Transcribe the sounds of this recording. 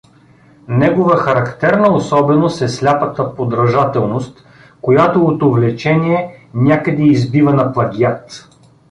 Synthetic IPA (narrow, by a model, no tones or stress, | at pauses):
nɛɡovəxɐɾɐkt̪ɛɾnəosɔbɛnosɛslʲapət̪əpod̪ɾɐʒat̪ɛlˠnost̪ | kojat̪oot̪ovlɛt͡ʃɛniɛnʲakəd̪ɛːzbivɐnɐplˠɐɡʲiat̪